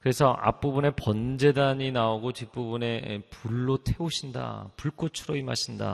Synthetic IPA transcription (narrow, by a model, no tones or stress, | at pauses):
kɯɾe̞sʰʌʔa̰p͈ubune̞pʌnd͡ʑe̞daɲinaoɡotip͈ubune̞puɭːotʰe̞oɕʰinda̰puɭk͈ot͡ɕʰuɾoimaɕʰinda̰